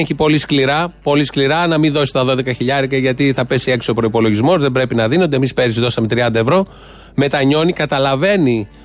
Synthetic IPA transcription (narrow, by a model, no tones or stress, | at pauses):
çipo̞liskliɾɐpo̞liskliɾɐnɐmiðo̞si̥t̪ɐðo̞ðe̞kɐçiʎɐɾikɐʝɐt̪iθɐpe̞sie̞ksiopɾo̞ipo̞lo̞ʝizmo̞zðe̞bɾe̞pinɐðino̞nd̪emispeɾisiðo̞sɐmet̪ɾiɐnd̪ɐe̞vɾo̞ | me̞t̪ɐɲo̞nikɐt̪ɐlɐve̞ni